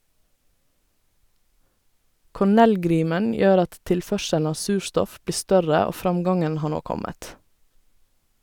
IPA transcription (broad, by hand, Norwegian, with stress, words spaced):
kɔˈɳɛlˌɡɾiːmən ˈjøːɾ ˈɑt ˈtɪlˌfœʃəln̩ ˈɑː ˈsʉːˌʃtɔf ˈbliː ˈstœɾə ˈoː ˈfɾɑmˌɡɑŋən ˈhɑː ˈɳoː ˈkɔmət